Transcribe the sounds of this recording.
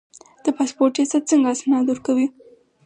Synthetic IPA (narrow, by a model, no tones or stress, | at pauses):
d̪̥əpɑspoɾʈjɑsat̪̚t͡səŋɡasnɑd̪oɾkawi